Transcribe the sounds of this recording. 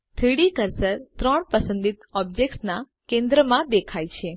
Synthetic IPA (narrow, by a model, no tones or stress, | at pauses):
t̪ʰiɽikəɾsəɾt̪ɾəɳpəsə̃nd̪it̪ɔb̚d͡ʒek̚ʈsna | kẽnd̪ɾəmãd̪ekʰajt͡ʃʰe